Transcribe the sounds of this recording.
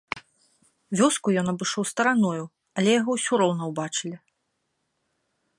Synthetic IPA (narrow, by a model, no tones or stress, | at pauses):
vʲɔskujɔnɐbɨʂɔwst̪ɐɾanɔju | ɐlʲɛjaɣɔwsʲɔɾɔwnɐwbat͡ʂɨlʲi